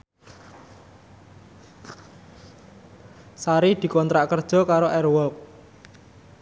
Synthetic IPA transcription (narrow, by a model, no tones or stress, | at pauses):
saɾid̪̥i̤kɔnt̪ɾaʔkərd̥ʒ̥ɔ̤kaɾoʔɛrwɔk̚